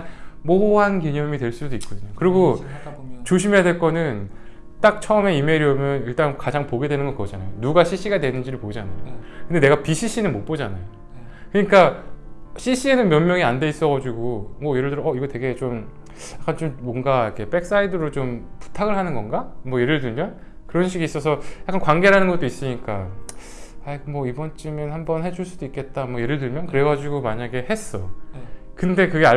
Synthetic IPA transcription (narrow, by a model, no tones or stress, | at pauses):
moɦankiɲʌmitwe̞ɭs͈udoik͈̚odɯɲokɯɾiɡo | t͡ɕoɕ̬ʰimeadwe̞ɭk͈ʌnɯn | t͈ak̚t͡ɕʰʌʌme̞ime̞ɾiʌmjʌniɭt͈aŋkad͡ʑaŋpoɡe̞dwe̞nɯnɡʌkʌd͡ʑanajonuɡaɕʰiɕ͈iɡadwe̞nɯnd͡ʑiɾɯɭpoid͡ʑana̰jokɯnde̞ne̞ɡapiɕʰiɕ͈inɯnmop͈od͡ʑana̰jo | kɯɲik͈a | ɕʰiɕ͈ie̞nɯnmjʌnmjʌŋiande̞is͈ʌɣɡad͡ʑuɡomwʌjeɾɯɭdɯɾʌiɡʌtwe̞ɡe̞t͡ɕom | jak͈ʰant͡ɕommʌnɡaikʰe̞p͈e̞k̚s͈aidɯɾot͡ɕompu̥tʰaɡɯɭɦanɯnɡʌnɡamwʌje̞ɾɯɭdɯɭmjʌn | kɯɾʌnɕ̬ʰiɡiːs͈ʌsʰʌjak͈ankwaŋɡe̞ɾanɯnɡʌt͈ois͈ɯɲik͈a | aɡmwʌibʌnt͡ɕ͈imjʌnhambʌnhe̞d͡ʑuɭs͈udoik͈e̞t̚t͈amwʌje̞ɾɯɭduɭmjʌnkɯɾeɡad͡ʑiɡomaɲaɡe̞he̞s͈ʌ̰ | kɯnde̞kɯɡe̞a